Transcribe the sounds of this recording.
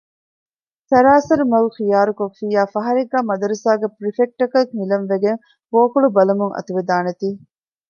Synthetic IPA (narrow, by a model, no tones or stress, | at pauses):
sɐɾaːsɐɾumɐlxijaːɾukofːiːjaːfɐɦɐɾiɡːæːmɐd̪ɐɾusaːɡepɾifek̚ʈːɐkɐkmilɐnʋeɡeŋ | koːkuɭubɐlɐmuŋʔɐ̰t̪uʋed̪aːnet̪iː